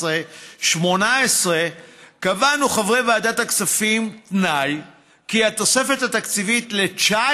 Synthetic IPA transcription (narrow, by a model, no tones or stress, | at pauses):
eʃmo̞naesʁekavanuχavʁejvaːdat̪hakt͡safimt̪naj | kiat̪o̞se̞fe̞that̪akt͡sivitle̞t͡ʃa